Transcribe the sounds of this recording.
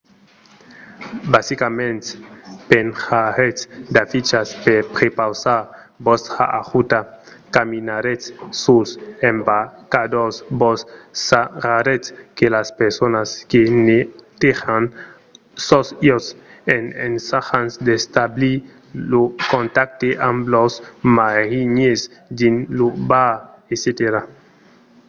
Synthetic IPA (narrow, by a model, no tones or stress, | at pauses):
basikamẽnt̪pensaɾesd̪afit͡ʃaspeɾpɾepawsaɾ | bost̪ɾa̰ʔaʁut̪a | kaminaɾesːusembakad̪osbossaʁaɾeskelaspeɾsonaskenet̪exan | sɔsjɔs | enensaxansd̪est̪abli | lokont̪ak̚t̪eʔamlɔsmaɣiɲesd̪inlubaeset̪eɾa